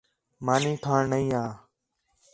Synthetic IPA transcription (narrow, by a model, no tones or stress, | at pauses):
maːnĩːkʰaːɳnəĩːãː